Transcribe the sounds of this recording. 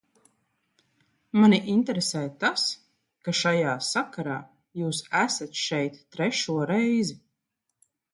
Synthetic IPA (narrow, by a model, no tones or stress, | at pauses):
maniʔinʲt̪ɛɾesɛːt̪as | kaʃajaːsakaɾaː | juːsæsat̪ʃɛjt̪ːɾɛʃuɔɾɛjzi